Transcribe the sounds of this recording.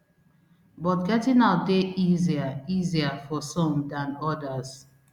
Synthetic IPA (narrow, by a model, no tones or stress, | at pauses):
bɔtɡɛtĩnaʊt̚deʔiziaiziafɔsɔ̃mdãnɔdaz